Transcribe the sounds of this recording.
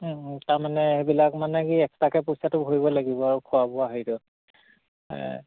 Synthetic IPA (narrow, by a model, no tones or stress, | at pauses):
taɹmanɛebilakmanɛkiɛktakɛpojsatʊbʱoɹibɔlaɡibɔaɹukʰʊabɔaɦitɔ